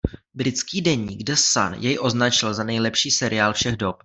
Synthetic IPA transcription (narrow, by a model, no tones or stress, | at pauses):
bɾɪt͡skiːdɛɲḭːɡdɛsa̰njɛjʔo̞znat͡ʃɪlzanɛjlɛpʃiːsɛɾʔɪaːlfʃɛɣdo̞p